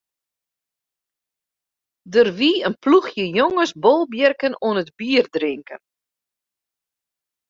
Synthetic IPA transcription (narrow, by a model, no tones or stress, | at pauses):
dərʋiənpluxjəjoŋəsbolˠbjərkənuənətbiərdrɪŋkən